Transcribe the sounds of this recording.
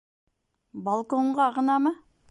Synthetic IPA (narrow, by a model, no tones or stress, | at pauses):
balˠko̞ɴʁɑɑʁənɑmɑ